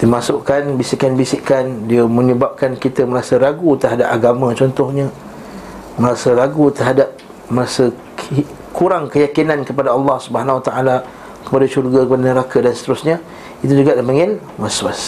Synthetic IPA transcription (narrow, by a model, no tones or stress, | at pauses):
d̥iəmasʊʔkanbisiʔkanbisiʔkandiəmə̃ɲəbap̚kankit̪əməɾasəɾaɡut̪ərɦadap̚aɡamãt͡ʃɔnt̪ɔhɲə̃ | məɾasəɾaɡut̪ərɦadap̚ | məɾasə | kuɾaŋkəjakinãnkəpadaɑlːɑhsubəɦanwat̪aʔala | kə̥padaʃurɡakəpadanəɾakadansə̥t̪əɾʊsɲə | it̪ud͡ʒuɡaʔdəmaŋɪn | maswas